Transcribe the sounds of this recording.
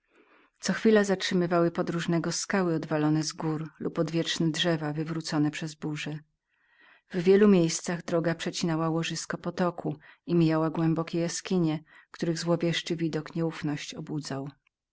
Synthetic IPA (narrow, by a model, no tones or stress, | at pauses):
t̪sɔxfʲilazatʂɘmɘvawɘpɔd̪ɾuʐnɛɡɔskawɘɔd̪valɔnɛzɡuɾlupɔd̪vʲjɛt͡ʂnɛdʐɛvavɘvɾut̪sɔnɛpʂɛzbuʐɛ | vvʲjɛlumʲjejst̪saɣd̪ɾɔɡapʂɛt͡ɕinawawɔʐɘskɔpɔt̪ɔkʰuimʲijawaɡwɛmbɔkʲɛjaskʲiɲɛkt̪uɾɘɣzwɔvʲjɛʂt͡ʂɘvʲid̪ɔkɲɛufnɔɕt͡ɕɔbud̪zaw